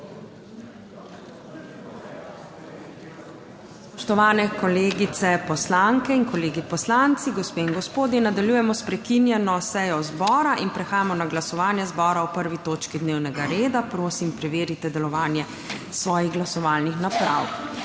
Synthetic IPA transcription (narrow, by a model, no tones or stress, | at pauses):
spɔʃt̪ɔʋaːnɛkɔleːɡit̪sɛpɔslaŋkɛinkɔleːɡipɔslant̪siɡɔspeːiŋɡɔspoːd̪jinad̪aljuːjɛmɔspɾɛkinjɛnɔsɛjɔzbɔːɾaʔinpɾɛxaːjamɔnaɡlasɔʋaːnjɛzbɔːɾawpəɾʋit̪oːt͡ʃkid̪neːwnɛɡaɾeːd̪apɾoːsimpɾɛʋeːɾit̪ɛd̪ɛlɔʋaːnjɛ | sʋɔːjiɣɡlasɔʋaːlnixnapɾaw